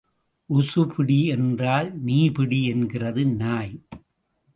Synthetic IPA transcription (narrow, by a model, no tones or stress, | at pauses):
ʔʊsɯpɪɽiɛndraːlniːpɪɽiɛnɡɪrɐðɯnaːj